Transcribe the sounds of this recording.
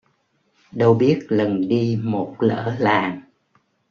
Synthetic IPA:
ɗə˧wɓi˦˥ət̚lə˨˩nɗi˧mo˨˩t̚lə̰ː˧˥laː˨˩ŋ

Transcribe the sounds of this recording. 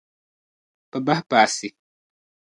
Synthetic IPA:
pɨ˨ba˦hpaː˨sɪ˨

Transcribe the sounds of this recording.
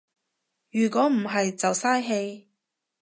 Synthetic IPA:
jyː˨˩kʷɔː˨˥m̩˨˩ɦɐ˨jt͡sɐ˨wsaː˥jɦe˧j

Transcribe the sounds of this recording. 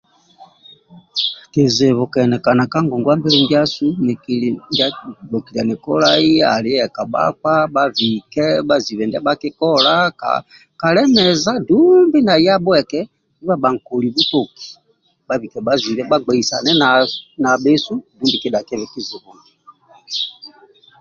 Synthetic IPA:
ke˨ze˨βɔ˨kɛ˨nɛ˨ka˨na˨ka˦ŋɡɔ˨ŋɡwa˦mbɛ˦lɛ˦ŋɡi˦a˦su˦˨ŋ˦a˦bo˨ki˨la˨nɛ˨kɔ̰˦la˦i˦a̰˨li˦ɛ˨ka˨ba̰˦ka˦ba˦vi˨kɛ˦ba˦zi˨βɛ˨nda˦ba˦kɛ˦kɔ˦la˦ka̰˨ | ka˨lɛ˦mɛ˨za˦du˦mbi˦na˨ja˦bwɛ˨kɛ˦ | i˦βa˦ba˨ŋ̩˨ko˨li˨bu˦to˨ki̥˨ | ba˦vi˨kɛ˨ba˦zi˨βɛ˦ba˦ɡ͡bɛ˨i˨sa̰˨nɛ˦na˨na˨be˦su˦du˦bi˨kɛ˦da˨kɛ˦βɛ˨ki˦ze˨βɔ˨ŋɡi˨

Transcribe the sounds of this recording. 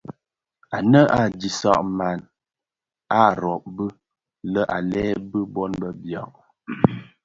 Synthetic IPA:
a˨nə˦ʔa˨di˨sa̰˦˨ʔma˨n | a˦˨ɾɔ˨ʔ̚bə˦ | lə˦ʔa˨lɛː˦bə˦bɔ˦nbə˦bja̰˨ʔ

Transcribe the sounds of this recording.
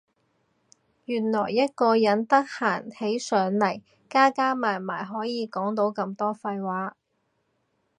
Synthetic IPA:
jyː˨˩nlɔː˨˩jːɐ˥t̚kɔː˧jɐ˨˥nt̪ɐ˥k̚haː˨˩nhe˨˥jsœː˨˥ŋlɐ˨˩j | kaː˥kaː˥maː˨˩nma̰ː˨˩jɦɔː˨˥jiː˨˧kɔː˨˥ŋt̪o˨˥wkɐ˧mt̪ɔː˥fɐ˧jwaː˨˥

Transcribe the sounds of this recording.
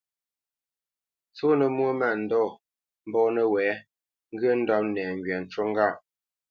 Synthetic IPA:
t͡so˦nə˨mwo˦ma˨n̩˨dɔ˦˨ | m̩˦bɔː˦nə˦wɛː˨˦ | ŋ̩˦ɡə˦n̩˦dɔ˦p̚nɛː˨ŋ˨ɡɥɛ˨n̩˨t͡ʃo˦ŋ˦ɡa˦˨ʔ

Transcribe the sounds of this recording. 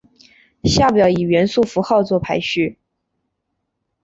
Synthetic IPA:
ɕja˥˩pjɑ˨˩˥ʊi˨˩ɥɛ˧˥nsu˥˩fu˧˥xɑ˥˧ʊt͡swɔ˥˩pʰa˧˥ɪɕy˥˩

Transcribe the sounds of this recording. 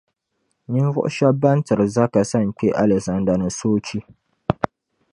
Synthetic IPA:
ni˦n˦vʊ̰˦ʔʊ˦ʃa˦ba˦n˦tɨ˨ɾɨ˨za˦ka˨sa˦ŋ̩˨k͡pɛ˦ʔa˦lɛ˨kza˨nda˨nɨ˨soː˦t͡ʃi˦

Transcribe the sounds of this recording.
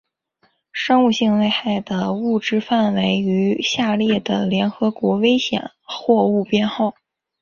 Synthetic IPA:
ʂɤ˥ŋu˥˧ɕi˥˧ŋle˥˧ɪxa˥˩ɪd̪ə˩u˥˩ʈ͡ʂɻ̩˥fa˥˩nwe˧˥ɪy˧˥ɕja˥˧ljɛ˥˩d̪ə˩ljɛ˧˥nxɤ˧˥kwɔ˧˥we˥ɪɕjɛ̰˨˩˦nxwɔ˥˧u˥˩pjɛ˥˧nxɑ˥˩ʊ

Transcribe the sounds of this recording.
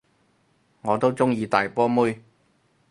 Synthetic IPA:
ŋɔː˨˧t̪o˥wt͡sʊ˥ŋjiː˨˧t̪aː˨jpɔː˥muː˥j

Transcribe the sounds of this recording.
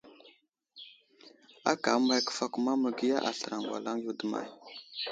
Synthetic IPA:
a̰˦ka˨˦ma˦jkə̥˨fa˦ku˨ma˦mə˨ɡi˦ja˦ʔa˨ɬə˨ɾa˨ŋɡʷwʷa̰˨la˦ŋju˦də˦ma̰˨j

